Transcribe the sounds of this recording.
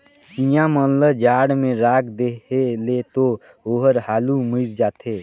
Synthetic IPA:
t͡ʃijãmənləd͡ʒaːɽmẽɾaːkd̪eelet̪o | oːɦəɾhaːlumiɾd͡ʒaːt̪ʰeː

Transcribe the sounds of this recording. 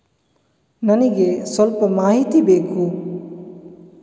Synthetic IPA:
nɐniɡesɔlpəmaːɦit̪ibekʰu

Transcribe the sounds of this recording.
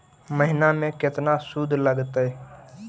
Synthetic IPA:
məɦɪnamẽkɪt̪nasud̪ʱləɡt̪ɦɛ

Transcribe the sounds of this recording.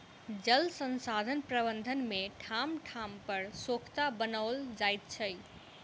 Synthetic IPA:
d͡ʒəlsənsad̪ʱənpɾəbənd̪ʱənmeʈʰamʈʰampəɾsokʰt̪abənald͡ʒajt̪̚t͡ʃʰəj

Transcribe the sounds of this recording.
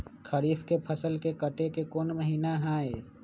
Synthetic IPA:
kʰəɾiːfʰkepʰəsəlkekəʈekekoːnməɦiːnaɦãːeː

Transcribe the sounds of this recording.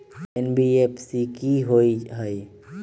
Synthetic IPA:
enbiepsikiɦoiɦəi

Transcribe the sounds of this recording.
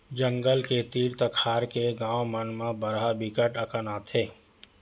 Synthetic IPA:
d͡ʒə̃ŋɡəlket̪iːɾt̪əkʰaːɾkeɡãːwmənmãbɐɾɦabikəʈəkənaːt̪ʰɦeː

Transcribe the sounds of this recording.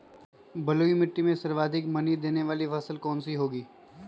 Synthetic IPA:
bɐloimɪʈːimẽsɐɾʋaːd̪ʱɪkmɐnid̪eːneʋaːlifʰɐsəlkɔːnsiɦoːɡiː

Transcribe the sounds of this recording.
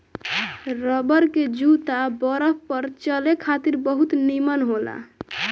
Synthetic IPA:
ɾəbəɾked͡ʒut̪abəɾəpəɾt͡ʃəlekʰat̪iɾbəɦut̪nimənɦola̰

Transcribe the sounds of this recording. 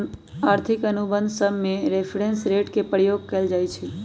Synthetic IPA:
aɾt̪ʰɪkənubə̃nd̪səmːẽɾepʰɾensɾeʈkepəɾjoɡ̚kəld͡ʒaːjt͡ʃʰe

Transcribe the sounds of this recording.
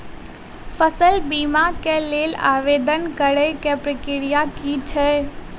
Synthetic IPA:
fʰəsəlbiːmakeleːla̰ːʋeːd̪ənkəɾəjkepɾəkɪɾijakit͡ʃʰɛ

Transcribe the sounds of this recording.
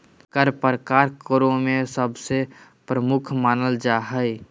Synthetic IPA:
kəɾpəɾkaːɾkəɾõmẽsəbse | pɾəmʊkʰmaːnəld͡ʒaɦəj

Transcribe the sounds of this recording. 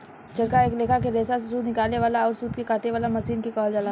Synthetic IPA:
t͡ʃɐɾkaeːkleːkʰakeɾeːsasesuːd̪nɪkaːleʋaːlaɔːɾsuːd̪kekaːt̪eʋaːlamɐʃiːnkekɔːld͡ʒaːla

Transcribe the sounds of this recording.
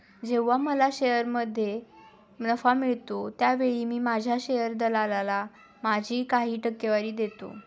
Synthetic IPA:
d͡ʑeʋːaməlaɕejəɾməd̪ʱːje | nəfamiɭt̪ot̪jaʋeɭiːmiːmad͡ʑʱjaɕejəɾd̪əlalala | mad͡ʑʱiːkaɦiːʈəkːeʋaɾiːd̪et̪o̰

